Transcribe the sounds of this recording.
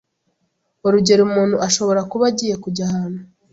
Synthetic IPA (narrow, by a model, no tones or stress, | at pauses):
oɾuɟe̞ɾumuːnhuʔaʃo̞βo̞ɾakuβaɟiːje̞kuɟahaːnu